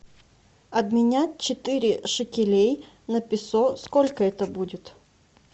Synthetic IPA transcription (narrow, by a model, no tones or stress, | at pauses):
ɐd̪mʲɪnʲat̚ʲt͡ɕɪt̪ɨɾʲɪʂɨkʲɪlʲej | nəpʲɪsoskolʲkəɛt̪əbudʲɪt̪